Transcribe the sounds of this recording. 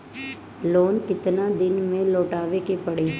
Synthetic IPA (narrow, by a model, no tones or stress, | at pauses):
loːnk̪ɪt̪nad̪ɪnmẽloːʈaːʋekepəɽeː